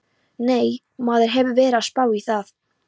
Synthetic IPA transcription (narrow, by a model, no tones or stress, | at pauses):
neːj | maːðɪɾ̥ɦɛvʏvɛːɾaspaːwiθaθ